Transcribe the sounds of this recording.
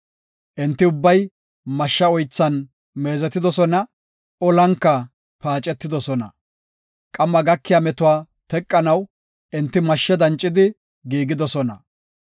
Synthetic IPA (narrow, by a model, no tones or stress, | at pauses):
ʔɪnt̪ːɪʊbːɐj | mɐʃːɐɔjt͡sːɐn | me̞ːzɛt̪ːɪd̪ɔsɔnɐ | ɔlɐŋkːɐ | paːt͡ʃʼːɛt̪ːɪd̪ɔsɔnɐ̰ | kʼɐmːɐɡɐkːɪjamɛt̪ʊwaː | t̪ɛkʼːɐnɐw | ʔɪnt̪ːɪmɐʃːɛd̪ɐnt͡ʃʼːɪd̪ɪ | ɡiːɡɪd̪ɔsɔnɐ